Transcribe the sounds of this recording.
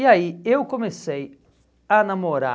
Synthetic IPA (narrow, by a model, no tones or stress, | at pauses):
iaiewkõmesej | anamoɾa̰